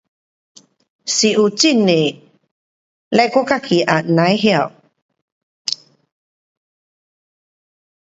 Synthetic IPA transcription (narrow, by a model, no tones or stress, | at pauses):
siʔut͡sine | lɛkokakʰiʔanajɦiaw